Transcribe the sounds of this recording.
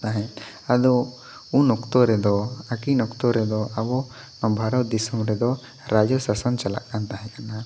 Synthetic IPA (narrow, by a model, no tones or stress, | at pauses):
t̪aɦɛ̃ | ad̪ɔ | unɔkt̪ɔɾɛd̪ɔakinɔkt̪ɔɾɛd̪ɔabɔ | nɔbʱaɾɔd̪isɔmɾɛd̪ɔ | ɾad͡ʒɔsasant͡ʃala̰ʔkant̪aɦɛ̃kana